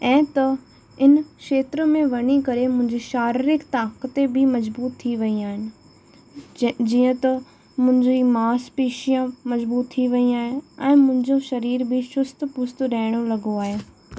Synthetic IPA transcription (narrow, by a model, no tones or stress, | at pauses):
ɛ̃ːt̪ɐ | ɪnkʃeːt̪ɾəmẽʋɐɽ̃ikɐɾemʊ̃ɦɪ̃ɲd͡ʑiʃaːɾɪɾɪkt̪ãːkət̪ebʱimɐzbuːt̪ʰːiʋɐiaːɦɪnɪ̆ | d͡ʑiːə̃t̪ɐ | mʊ̃ɦɪ̃ɲd͡ʑimaːspiːʃijãmɐzbuːt̪ʰːiʋɐiaːɦɪn̆ɛ̃ːmʊ̃ɦɪ̃ɲd͡ʑoʃɐɾiːɾbʱiʃʊst̪pʊst̪ɾɐːɪɽ̃olɐɡoaːɦeː